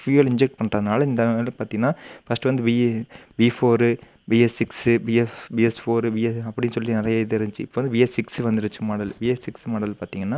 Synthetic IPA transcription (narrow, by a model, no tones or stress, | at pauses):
fiːɐlɪɲd͡ʒɛk̚ʈ̚pɐɳrɐːðɯnaːlɐɪnd̪ɐeːlkɯpaːɾt̪ĩːŋɡɐnːaːfɐsʈːɯʋɐnd̪ɯbibiːfoːɾɯ | biːɛsːɪksbiɛsbiːɛsfoːɾɯbiːɛsɐpːɐɽɪnːsɔlːinɪɾɐjɐɪðɯɪɾɯd͡ʒt͡ʃːɯɪpːoːʋɐnd̪ɯbiːɛsːɪksʋɐnd̪ɪɾɯt͡ʃːɯmaːɽɐlbiːɛsɪksmaːɽɐlpaːɾt̪iːŋɡɐnːaː